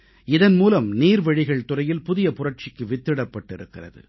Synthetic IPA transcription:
ɪðɐnmuːlɐmniːɾʋɐɻɪɣɐɭt̪ʊrɐjɪlpʊðɪjɐpʊrɐʈ̚t͡ʃɪkːɯʋɪt̪ːɪɽɐpːɐʈːɪɾɯkːɪrɐ̰ðɯ̰

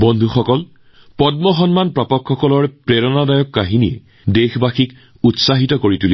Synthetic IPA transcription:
bɔndʱuxɔkɔl | pɔd̚mɔxɔnmanpɹapɔkʰːɔkɔlɔɹpɹeɹɔnadajɔkːaɦinijɛ̰ | dexbaxik | utsaɦitɔkoɹituli

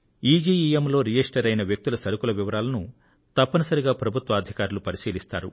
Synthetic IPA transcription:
iːd͡ʒiːiemlo̞ːɾijesʈɐɾɐjnɐʋjɐk̚t̪ulɐsɐɾukulɐʋiʋɐɾaːlɐnu | t̪ɐpːɐnɐsɐɾiɡaːpɾɐbʱut̪ʋɐːd̪ʱikaːɾulupɐɾisiːlist̪a̰ːɾu

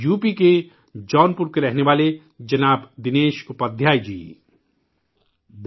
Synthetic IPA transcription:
juːpike | d͡ʒɔːnpuɾkeɾɛɦneʋaːle | d͡ʒɐnaːbd̪ɪneːʃʊpəd̪ʱjaːjd͡ʒḭː

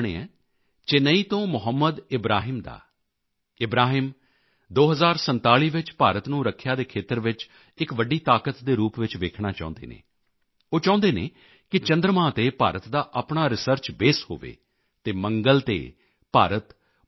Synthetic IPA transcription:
ɳḛːɛ̰̃ː | t͡ʃeːnəiːt̪õːmʊɦəmːəd̪ɪbɾaːɦɪːmd̪a̰ː | ɪbɾaːɦɪm | d̪oːɦəzaːɾsənt̪aːɭiːʋɪt͡ʃpaːɾət̪nũːɾəkʰːjaːd̪eːkʰeːt̪əɾʋɪt͡ʃ | ɪkʋəɖiːt̪aːkət̪d̪eːɾuːpʋɪt͡ʃʋeːkʰɳaːt͡ʃã̰ːnd̪ḛːnḛ̃ː | oːt͡ʃãːʊ̃nd̪eːnḛː | kɪt͡ʃə̃nd̪ɾəmãːt̪eːpa̰ːɾət̪d̪aːʔəpɳaːɾɪsəɾt͡ʃbeːsho̰ːʋḛː | t̪eːməŋɡəlt̪ḛː | paːɾət̪

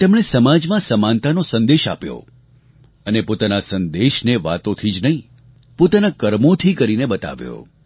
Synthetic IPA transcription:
t̪emɽesəmad͡ʒmãsəmant̪anosənd̪eʃa̰pjo̰ | ənepot̪anasə̃nd̪eʃneʋa̰t̪õt̪ʰid͡ʒnəɦĩ | pot̪anakəɾmot̪ʰikəɾinebət̪a̰ʋjo̰

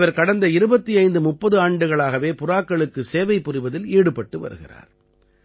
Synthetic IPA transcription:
ʋɐɾkɐɽɐnd̪ɐɪɾɯbɐt̪ːiɐɪnd̪ɯmʊpːɐðɯaːɳɖɯɣɐɭaːɣɐʋeːpʊraːkːɐɭɯkːɯseːʋɐɪpːʊrɪʋɐðɪliːɽɯpːɐʈːɯʋɐ̰ɾɯ̰ɣɪ̰ra̰ːɾ

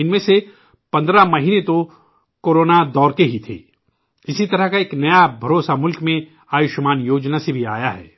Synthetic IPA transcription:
ɪnmẽse | pɐ̃nd̪ɾamɐɦiːnet̪o | koːɾoːnad̪ɔːɾkeɦit̪ʰḛː | ɪsit̪ɐɾəɦkaeːknɐjabʱɐɾoːsamʊlkmẽ | aːjʊʃmaːnjoːd͡ʒnasebʱiaːjaɦɛ̰ː

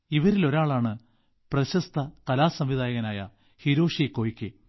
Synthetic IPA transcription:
iʋɐɾilo̞ɾaːɭaːɳɨ | prɐɕɐst̪ʰɐkɐlaːsɐmʋid̪aːjɐɣɐnaːjɐ̰ | hiɾo̞ːʂikːo̞ːjikʲːɨ

